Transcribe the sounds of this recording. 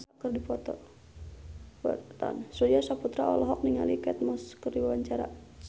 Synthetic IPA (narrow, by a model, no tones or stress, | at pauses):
sakərdipɔt̪ɔ̰ | ɔ̰tt̪a̰nsuiasaput̪ɾaɔlɔɦɔk̚niŋa̰likɛt̪̚mɔskərdiwawaɲt͡ʃaɾa̰